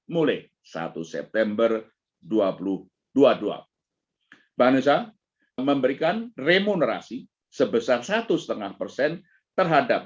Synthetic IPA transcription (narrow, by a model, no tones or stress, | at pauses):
mula | sa̰t̪ṵsɛ̰p̚t̪ɛmbər | duapulʊh | d̥uadua̰ | b̥anusa | məmbəɾikanremunəɾa̰si | səbəsarsat̪usə̥t̪əŋahpərsɛn | t̪ərɦadap̚